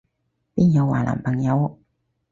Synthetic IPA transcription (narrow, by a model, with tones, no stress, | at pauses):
pi˥˩ŋjo˨˥wa̰˨˩lʔa̰˨˩pə˨˩ŋjo˨˧˦w